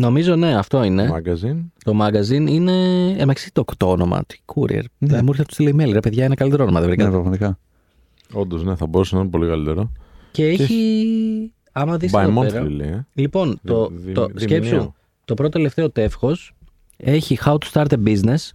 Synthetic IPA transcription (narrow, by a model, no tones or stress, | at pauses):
no̞mizo̞ne̞ɐft̪o̞ine̞ɐɡɐzint̪o̞mɐɡɐzinine̞mɐksi̥t̪okt̪oono̞mɐ̰t̪kʰuɾḭḛɾmuɾçɐt̪u̥st̪ileimeliɾɐpe̞ðʝɐinɐkɐlit̪eɾoonomɐðevɾikɐnpɾofonikɐ | ond̪ozne̞θɐboɾusenɐnpo̞likɐlit̪eɾoce̞eçi | ɐmɐðisɐðomoeɾɐilḭlipo̞nt̪o̞t̪oscepsu | t̪o̞pɾot̪ot̪ele̞ft̪e̞o̞t̪e̞fxo̞s | e̞çixaut̪u̥st̪ɐɾt̪ebizne̞s